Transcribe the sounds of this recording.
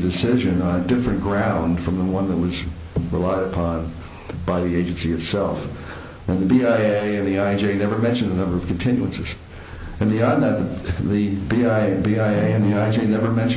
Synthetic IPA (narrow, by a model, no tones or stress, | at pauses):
dɨsɪʒɨ̃nə̃nɨdɪfɹɨ̃nɡ̥ɹãʊ̃nd̥fɹʌ̃mðəwʌ̃nðət̚wʌz | ɹəlaɪɾəpʰɑ̃n | b̥aɪðieɪd͡ʒɨ̃n̩siɨtsɛlˠf | ɨ̃nðɨbiaɪeɪɨ̃nðiaɪɨ̃nd͡ʒeɪnɛvə˞mɛ̃nʃɨ̃nðənʌ̃mbə˞ʌv̥kʰn̩tʰɪ̃njʉɨ̃nsɨz̥ | ɨ̃nbiɑ̃nðɨt̪̚ððɨbiɪbiaɪeɪɨ̃nðiaɪ̃nd͡ʒeɪnɛvə˞mɛ̃nʃ